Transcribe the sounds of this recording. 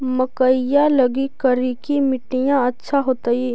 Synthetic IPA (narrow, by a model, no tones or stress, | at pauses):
mɐkəɪjalɐɡikɐɾikimɪʈijãɐtːʃʰaɦoːt̪aiː